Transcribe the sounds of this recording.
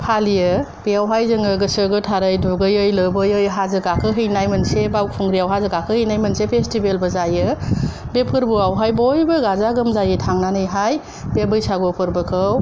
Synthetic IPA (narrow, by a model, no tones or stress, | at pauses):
pʰalijɯ | b̥ijawɦajzɯŋɯɡɯsɯɡɯtʰaɾɯjduɡɯjɯjlɯbɯjɯjɦazɯɡakʰɯɦɯjnajmɯnsebaw̚pʰuŋɡɾijawɦazɯɡakʰɯhɯjnajmɐnsepʰestibelbɯzajɯ | bepʰɯɾbuawɦajbojbɯɡazaɡɯmzajɯtʰaŋnanɯjɦaj | b̥ebɯjsaɡopʰɯɾbɯkʰɯw